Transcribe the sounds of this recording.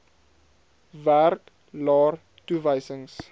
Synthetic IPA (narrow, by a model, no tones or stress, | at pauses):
værk | lɑːr | tuvəjsəŋs